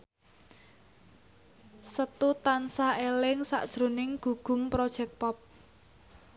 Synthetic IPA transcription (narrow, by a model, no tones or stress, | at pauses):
sət̪ut̪ansaelɪŋsa̰ʔd̥ʒ̥ɾo̤nɪŋɡ̥ṳɡ̥ṳmpɾod̥ʒ̥ɛk̚pɔp̚